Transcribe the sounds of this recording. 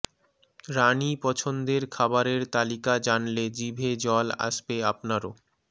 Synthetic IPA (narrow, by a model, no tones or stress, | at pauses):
ɾanipɔt͡ɕʰond̪eɾkʰabaɾeɾt̪alikad͡ʑanled͡ʑibʱed͡ʑɔla̰ʃbeapnaɾo